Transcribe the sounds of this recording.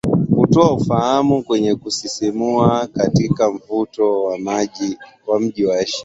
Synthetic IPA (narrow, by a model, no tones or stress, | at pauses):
kutɔaufahamukwɛɲɛkusisimuakatikam̩vutɔwamaʄi | wam̩ʄiwaɛʃi̥